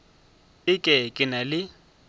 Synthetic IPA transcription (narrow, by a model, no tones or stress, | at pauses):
ɪkʼɛkʼɪnalɪ